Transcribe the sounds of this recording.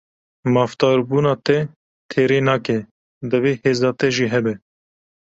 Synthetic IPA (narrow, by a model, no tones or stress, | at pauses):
mɑːft̪ɑːɾbuːnɑːt̪ɛ | t̪ʰeːɾeːnɑːkɛ | d̪əveːheːzɑːt̪ɛʒiːɦɛbɛ